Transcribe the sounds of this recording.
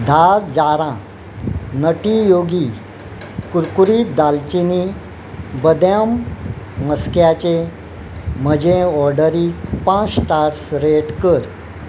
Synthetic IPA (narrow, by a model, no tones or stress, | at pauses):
d̪ʱaɾd͡zaɾã | nəʈijoɡi | kuɾkuɾid̪alt͡ɕini | bəd̪jam | məskjat͡ɕe | m̤əd͡ʑeɔɾɖəɾipãt͡sʈaɾsɾeʈkəɾ